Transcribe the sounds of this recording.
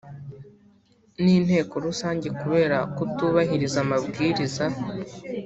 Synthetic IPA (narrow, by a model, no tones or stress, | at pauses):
niːn̥he̞ːko̞ɾusaːɲɟe̞kuβe̞ːɾakutuβaɦiɾizamabɡiːɾiza